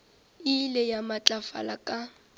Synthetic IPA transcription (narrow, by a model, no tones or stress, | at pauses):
ɪlɛjamat͡ɬʼafa̰lakʼa